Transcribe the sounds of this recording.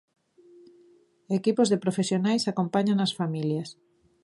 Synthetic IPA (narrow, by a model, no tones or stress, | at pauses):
ekipozðepɾofesjonajsakompaɲanɐasfamiljas